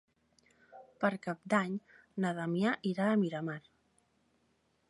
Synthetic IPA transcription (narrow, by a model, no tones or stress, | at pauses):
pəɾkap̚d̪aɲ | naðamjaʔiɾaəmiɾamaɾ